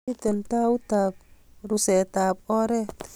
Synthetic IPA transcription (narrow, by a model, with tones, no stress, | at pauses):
i˦t̪ɛ˨lt̪a˦u˦t̪aː˨p̚ɾu˨sɛ˨t̪aː˨p̚ɔ˦ɾɛ˦